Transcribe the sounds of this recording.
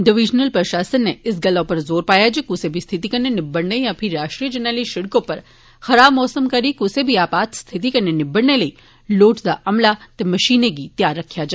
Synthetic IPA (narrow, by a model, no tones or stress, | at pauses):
ɖɪʋid͡ʒnəlpɾəʃasənːeɪsɡəlapəɾzoːɾpajad͡ʒʰekusebʱist̪ʰit̪ikəɾnenɪbəɽnejãpʰiɾaʃʈɾijəd͡ʒənaliʃɪɽkopəɾ | xəɾabmɔːsəmkəɾikusebʱiapat̪st̪ʰit̪̬ikəɾnenɪbəɽneləi | loːʈd̪aʔəmlat̪eməʃineɡit̪jaɾːəkʰjad͡ʒa